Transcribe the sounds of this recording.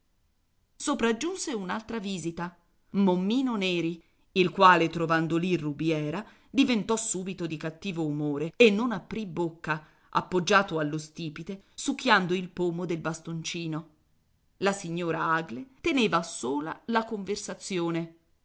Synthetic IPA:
sopɾad͡ʒːunseunalt̪ɾaviːzit̪a | momːiːnoneːɾi | ilkwaːlet̪ɾovand̪olirubjɛːɾa | d̪ivent̪ɔsːuːbit̪od̪ikat̪ːiːvoumoːɾeenːonapːɾibːokːa | ʔa̰pːod͡ʒːaːt̪oalːost̪iːpit̪esuk̟ʰːjand̪oilpoːmod̪elbast̪ont͡ʃiːno | lasiɲːoːɾaaɡlet̪eneːvasoːla̰lakoɱversat̪sːjoːne

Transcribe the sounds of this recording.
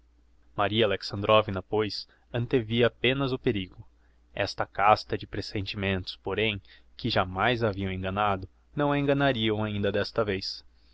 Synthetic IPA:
maɾiɐaleksɐ̃nd̪ɾʔovinɐpojs | ɐ̃nt̪eviɐapẽnɐzʊpeɾiɡʊ | ɛ̰st̪ɐkast̪ɐd͡ʒɪpɾesẽnt͡ʃimẽnt̪ʊ̥spoɾẽj̃ | kɪʒamajzaviɐ̃w̃ẽŋɡɐ̃nad̪ʊ | nɐ̃w̃ẽɡɐnaɾiɐ̃w̃aĩnd̪ɐd̪ɛst̪ɐvejs

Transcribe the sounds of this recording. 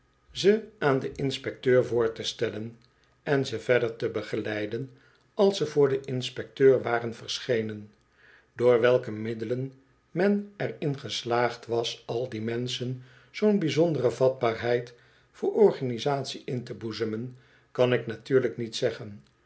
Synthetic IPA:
zəʔaːndəʔɪnspɛk̚tøːɹvʊːɹtəstɛlən | ɛnzəvɛɹdəɹtəbəχəlɛjdən | ɑlˠsəvʊːɹdəʔɪnspɛk̚tøːɹʋaːrənvəɹsχejnən | doːɹʋɛlˠkəmɪdələn | mɛnɛrɪnχəslaːχtʋɑsɑlˠdimɛnsən | z̥ownbizɔndərəvɑd̚baːɹɦɛjt | fʊːɹɔɹχanizaːtsiʔɪntəbuzəmən | kɑnɪknatyːɹləknitsɛχən

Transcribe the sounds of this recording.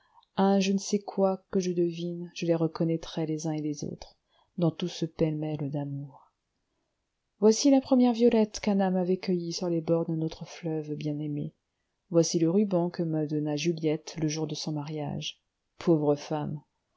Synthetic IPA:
ɛ̃ʒənəsɛkʰwakəʒəd̪əvinʒ̥əleʁəkɔnɛt̪χɛlezɛ̃elezo̰t̪χ | d̪ɑ̃t̪usəpɛlmɛld̪amuʁ | vwasilapχəmjɛʁvjɔlɛt̪kãnamavɛkəjisyʁlebɔʁd̪ɛ̃not̪χəflœvbjɛ̃nemḛ | vwasiləʁybɑ̃kəməd̪ɔnaʒyljɛt̪ləʒuʁd̪əsɔ̃maʁja̰ʒ | pʰovʁəfam

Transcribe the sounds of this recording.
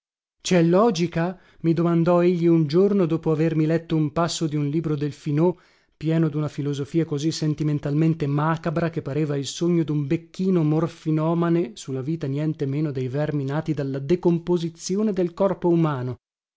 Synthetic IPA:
t͡ʃɛlːɔːd͡ʒika | mid̪omand̪ɔeʎːiund͡ʒornod̪oːpoavermilɛt̪ːoumpasːod̪iunliːbɾod̪elfino | pjɛːnod̪unafilozofiːakozisːent̪iment̪alment̪emaːkabɾakepːaɾeːvailsoɲːod̪umbekːiːnomorfinɔːmanesulːaviːt̪anjɛnt̪emeːnod̪ejvɛrminaːt̪id̪alːad̪ekompozit̪sjoːned̪elkɔrpoumaːno

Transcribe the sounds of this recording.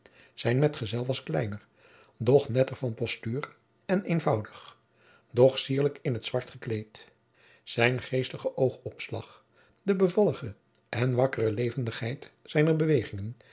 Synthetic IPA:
z̥ɛjnmɛtχəzɛlˠʋɑsklɛjnəɹ | dɔχnɛtəɹvɑnpɔstyːr | ɛnejnvɑwdəχ | dɔχsiːɹləkɪnɦətsʋɑɹtχəklejt | sɛjnχejstəχəʔowχɔpslɑ̰χ | dəbəvɑlˠəχə | ʔɛnʋɑkərəlejvəndəχɦɛjtsɛjnəɹbəʋejχɪŋən

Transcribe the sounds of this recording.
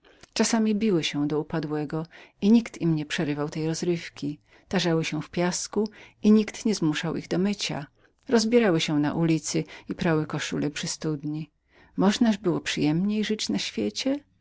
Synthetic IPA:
t͡ʂasamʲibʲiwɘɕɛ̃d̪ɔupad̪wɛɡɔiɲikt̪imɲɛpʂɛɾɘvawt̪ɛjɾɔzɾɘfkʲi | t̪aʐawɘɕɛ̃fpʲjaskuiɲikt̪ɲɛzmuʂawʔḭɣd̪ɔmɘt͡ɕa̰ | ɾɔzbʲjɛɾawɘɕɛna̰ʔulʲit̪sɘipɾawɘkɔʂṵlɛpʂɘst̪ud̪ɲi | mɔʐnaʐbɘwɔpʂɘjɛmɲejʐɘt͡ɕnaɕfʲjet͡ɕɛ

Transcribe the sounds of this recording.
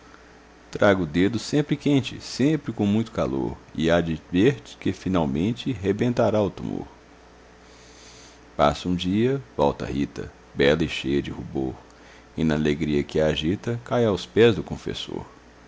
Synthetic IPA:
t̪ɾaɡʊd̪ed̪ʊsẽmpɾɪkẽnt͡ʃɪ̰sẽpɾɪkõmũj̃t̪ʊ̥kalo̰ɾɪad͡ʒɪveɾt͡ʃɪ̥kɪfinawmẽnt͡ʃɪɦebẽnt̪aɾaʊt̪umo̰ɾ | pa̰sʊũd͡ʒiɐvɔwt̪ɐ̰hit̪ɐ̰ | bɛlɐɪʃejɐd͡ʒɪhuboɾ | ɪnɐaleɡɾiɐkɪaʒit̪ɐkajawspɛzd̪ʊkõfḛso̰ɾ

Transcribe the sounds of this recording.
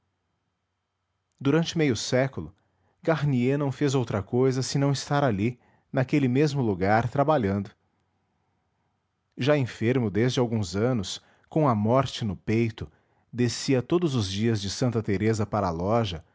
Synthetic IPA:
d̪uɾɐ̃nt͡ʃɪmejʊsɛkʊlʊ | ɡaɾnienɐ̃w̃fezowt̪ɾɐkojzɐsɪnɐ̃w̃ɪst̪aɾali | nakelɪmezmʊluɡaɾt̪ɾabaʎɐ̃nd̪ʊ | ʒaẽfeɾmʊd̪ezd͡ʒɪawɡũzɐ̃nʊs | kõɐmɔɾt͡ʃɪnʊpejt̪ʊ | d̪esiɐt̪od̪ʊzʊzd͡ʒiɐzd͡ʒɪsɐ̃nt̪ɐt̪eɾezɐpaɾɐaːlɔʒɐ

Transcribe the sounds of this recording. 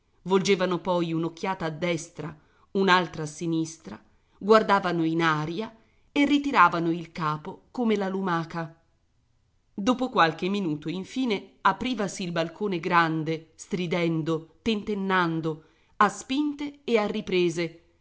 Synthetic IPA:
vold͡ʒeːvanopɔjunok̟ːjaːt̪aːd̪ːɛst̪ɾa | unalt̪ɾasinist̪ɾa | ɡward̪aːvanoinaːɾja | erːit̪iɾaːvanoilkaːpokomelalumaːka | d̪oːpokwalk̟emːinuːt̪oiɱfiːneapɾiːvasiːlbalkʰoːneɡɾand̪est̪ɾid̪ɛnd̪ot̪ent̪enːand̪o | aspint̪eːarːipɾeːze

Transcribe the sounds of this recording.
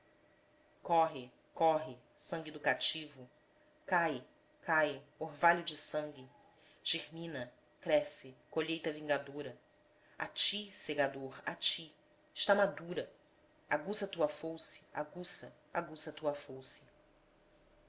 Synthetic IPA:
kɔɦɪ | kɔɦɪ | sɐ̃ŋɡʲɪed̪ukat͡ʃivʊ | kaj | kajoɦvaʎʊd͡ʒɪsɐ̃ŋɡʲɪ | ʒ̥ehmĩnɐ | kɾɛsɪkoʎejt̪ɐvĩŋɡad̪oɾɐ | a̰t͡ʃiseɡad̪oɾat͡ʃiː | ʃt̪amad̪uɾɐ | aɡusɐt̪uɐfowsɪ̥a̰ɡusɐ | aɡusɐt̪uɐfowsɪ̥

